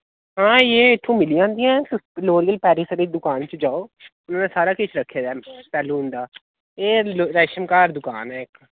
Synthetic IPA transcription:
ɦãːjeːɪt̪ʰːũːmɪliːd͡ʒãːnd̪iːɛ̃ːt̪ɪloːɾiːəlpɛːɾiːsəɾeːd̪ʊkaːnt͡ʃəd͡ʒaːoːʊnãːnẽːsaːɾaːkɪt͡ʃʰɾəkʰːeːd̪aːpɛːlũːɦʊnd̪aː | eːlɾɛːʃəmkaːɾd̪ʊkaːnɛːɪk

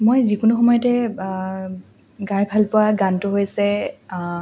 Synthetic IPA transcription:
mojzikʊnʊxɔmɔjɔtɛ | ɡajbʱalpʊwaɡantʊɦojasɛ

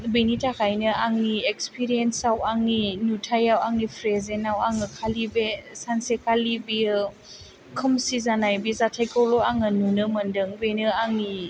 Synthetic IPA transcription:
benitʰakʰajnɯʔaŋːiekspʰiɾiensawaŋːinutʰajawaŋipʰɾezenawaŋɯkʰalibesansekʰalibiɯ | kʰɯmsizanajbizatʰajkʰɔwloaŋɯnunɯmɯndɯŋbenɯaŋi

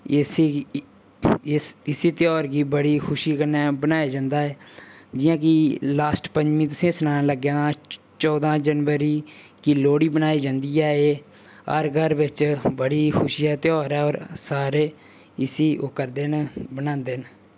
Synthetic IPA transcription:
ɪsiːt̪ɪjɔːɾkiːbəɽiːkʰʊʃiːkənɛːbənaːjaːd͡ʒãːnd̪aːɛːd͡ʒɪjãːk̬ilaːsʈpəɲd͡ʒmĩːt̪ʊsẽːsənaːnãːləɡãː | t͡ʃɔːd̪ãːd͡ʒənʋəɾiːkiːloːɽiːbənaːiːd͡ʒãːnd̪iːaːeː | ə̰ɾɡʱəɾʋɪt͡ʃbəɽiːkʰʊʃiːɛːt̪ɪɔːɾɛːɔːɾsaːɾeː | ɪsiːoːkəɾd̪eːnbənãːnd̪eːn

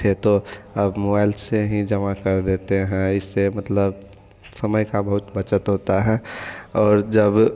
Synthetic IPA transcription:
et̪oəbmobaːɪlseɦĩd͡ʒəmakəɾd̪eːt̪eɦɛ̃ɪsːemɐt̪ləb | səməjkabəɦʊt̪bət͡ʃət̪ɦoːt̪aɦɛ̃ɔːɾd͡ʒəb

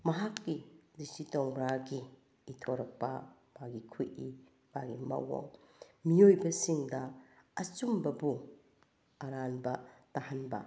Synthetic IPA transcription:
mɐɦakːidistitoŋɾaɡiː | tʰoɾɐk̚pɐ̰ | maɡikʰujʔi | maɡimɐ̰wo̰ŋmiojbɐsiŋdɐɐt͡ʃumbɐbu | ɐɾanbɐtahanbɐ̰

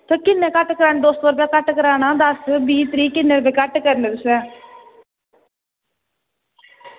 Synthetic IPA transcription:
t̪oːkɪnːẽːkəʈːkəɾaːnːd̪oːst̪ʋəːɾpjaːkəʈkəɾaːnaːd̪əsbiːt̪ɾiːkɪnːeːɾbeːkəʈkəɾneːd̪ʊsɛː

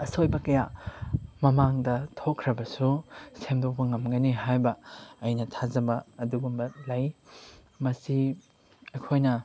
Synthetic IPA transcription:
ɐsojbɐkɐja | mɐmaŋdɐtʰokʰːɾɐbɐsusemdok̚pɐŋɐmɡɐniɦajbɐɐjnɐtʰazɐbɐɐduɡumbɐlɐj | mɐsi | ɐjkʰojnɐ

